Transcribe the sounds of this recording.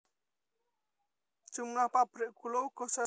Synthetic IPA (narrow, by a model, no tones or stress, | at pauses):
t͡ʃumlahpab̥ɾiʔkulowkosa